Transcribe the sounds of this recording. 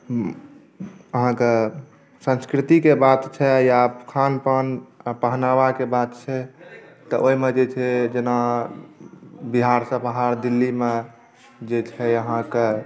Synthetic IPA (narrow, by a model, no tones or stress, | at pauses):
əɦãke | sə̃nskɾit̪ikebat̪t͡ʃʰɛjakʰanpənpəɦnawakebat̪t͡ʃʰɛt̪ɔʔoimed͡ʒet͡ʃʰɛd͡ʒena | biɦaɾsə̃bəɦaɾd̪ilːime | d͡ʒet͡ʃʰɛəɦãke